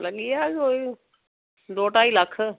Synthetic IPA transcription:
ləɠijakoːi | d̪oːʈaːiləkʰ

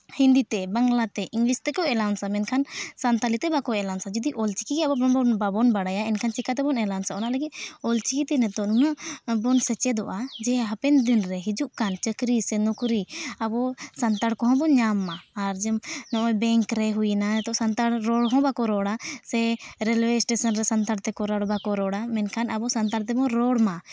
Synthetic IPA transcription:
hĩnd̪it̪ɛbaŋlat̪ɛʔiŋɡlist̪ɛkɔɛlansamɛnkʰansant̪alit̪ɛbakɔɛlansad͡ʒɔd̪iʔɔlt͡ʃikikɛabɔbɔbɔnbabɔnbaɽajaɛnkʰant͡ʃɛkat̪̬ɛbɔnɛlansaɔnaləɡinɔlt͡ʃikit̪ɛnɛt̪ɔnunaʔbɔnsɛt͡ʃɛd̪ɔʔad͡ʒɛɦapɛnd̪inɾɛɦid͡ʒuʔkant͡ʃəkɾisɛnɔkɾiabɔsɐnt̪aɽkɔɦɔ̃bɔɲamːaːɾd͡ʒɛmnɔ̃ʔɔjbɛŋkɾɛɦujinaɛt̪ɔsant̪aɽɾɔɽɦɔ̃bakɔɾɔɽasɛɾɛlwɛsʈɛsənɾɛsənt̪aɽt̪ɛkɔɾaɽbakɔɾɔɽamɛnkʰanabɔsɐnt̪aɽt̪̬ɛbɔ̃ɾɔɽma

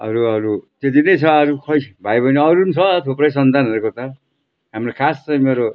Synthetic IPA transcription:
ʌ̰ɾuʌɾut̪et̪inʌjt͡sʰʌːɾukʰʌjʰbʱajbʌniʌɾunsʰʌt̪ʰopɾʌjsʌnt̪anʌɾekot̪ʌ | ɦamrokʰast͡sʌj̃meɾo

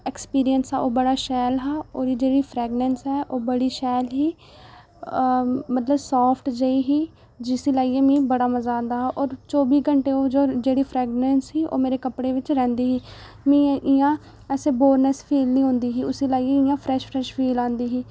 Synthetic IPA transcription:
ɛkspiːɾiənsɛːoːbəɽaːʃɛːlɦaːoːɾiːd͡ʒeːɽiːpʰɾɛːɡnɛːnsɛːʔoːbəɽiːʃɛːlɦiː | mət̪ləbsɔːpʰʈd͡ʒaiːɦiː | d͡ʒɪsiːlaːiːɛːmĩːbəɽaːməzaːnd̪aːɦːʔɔːɾt͡ʃɔːbiːɡəɳʈeːoːd͡ʒoːd͡ʒeːɽiːpʰɾɛːɡnɛːnsɦiːʔo̰ːmeːɾeːkəpɽeːʋɪt͡ʃɾɛ̃ːnd̪iːɦiː | mĩːʔɪjãː | ɛːseːboːɾnəspʰiːlnĩːɦõːnd̪iːɦiːʊsiːlaːieɪjãːpʰɾɛːʃpʰɾɛʃpʰiːlãːnd̪iːɦiː

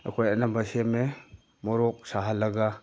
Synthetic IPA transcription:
ɐ̰kʰojanambaseme | mɔɾɔk̚saɦalɐɡa

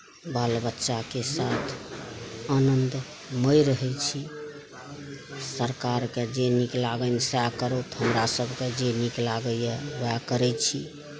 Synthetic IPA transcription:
balbətːʃakesat̪ʰ | anənd̪ | məjɾəɦɛt͡ʃʰi | səɾkaɾked͡ʒeniklaɡənsakəɾot̪ɦəmɾasəbʱked͡ʒeniklaɡəjeʋakəɾɛt͡ʃʰi

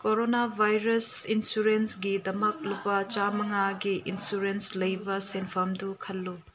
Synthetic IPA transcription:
koɾonabʱajɾɐsinsuɾensɡidɐmɐk̚lupɐt͡ʃamɐŋaɡiʔinsuɾenslɐjbɐsenpʰamdukʰɐlːu

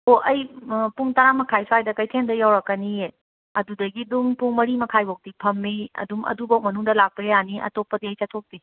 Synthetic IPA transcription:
oʔɐjpuŋtɐɾamɐkʰajsajdɐkɐjtʰendɐjawɾɐkːɐnie | ɐdudɐɡiduŋpuŋmɐɾimɐkʰajbowk̚dipʰɐmːiɐ̰dumɐ̰dubawk̚mɐnuŋdɐlak̚pɐɾeaniʔɐ̰topːɐdiɐjsɐtʰok̚di

